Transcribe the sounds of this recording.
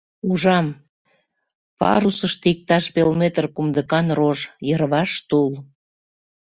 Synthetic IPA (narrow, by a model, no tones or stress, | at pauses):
uʒɑm | pɑ̰ɾusəʃt̪ik̚t̪ɑʃpelmet̪rkumd̪əkɑnroʒjərβɑʃt̪ul